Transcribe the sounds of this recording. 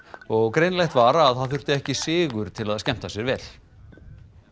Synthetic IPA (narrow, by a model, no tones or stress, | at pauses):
ɔɣkɾejnlajht̪vaːɾaːðθaðθʏr̥t̪ɪɛhcɪsɪːɣʏɾ̥t̪ʰɪlaðscɛm̥t̪asɛɾvɛːl̥